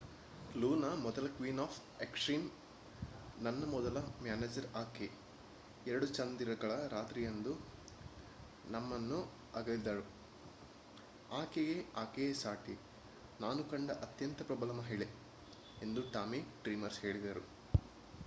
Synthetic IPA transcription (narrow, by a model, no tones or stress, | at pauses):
luːnɐmɔd̪ɐlɐkʋiːnaːpʰ | ekʂɾiːn | nɐnːɐmɔd̪ɐlɐmjaːneːd͡ʒɐɾaːke | ɛɾɐɽut͡ʃɐnd̪iɾɐɡɐɭɐɾaːt̪ɾijɐnd̪u | nɐmːɐnːu | ɐɡɐlid̪aɾu | aːkeɡeaːkesaːʈi | naːnukɐɳɖɐʔɐt̪jɐnt̪ɐpɾɐbɐlɐmɐɦiɭe | end̪uʈaːmiɖɾiːmɐɾshe̞ːɭid̪ɐɾu